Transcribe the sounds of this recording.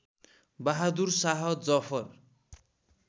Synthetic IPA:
baɦad̪ursaɦʌd͡zʌpʰʌr

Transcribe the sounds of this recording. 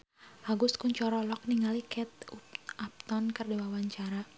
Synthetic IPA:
haɡʊskuɲt͡ʃɔɾɔlɔk̚niŋalikɛt̪̚uap̚t̪ɔnkardɛwawaɲt͡ʃaɾa

